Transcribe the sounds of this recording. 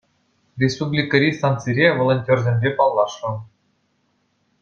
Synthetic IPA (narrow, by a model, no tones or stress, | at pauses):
rʲespublʲikəɾʲist̪ɑnt̪t͡siɾʲevolˠonʲtʲerʲzʲemʲbʲepɑlˠːɑʂɤ̆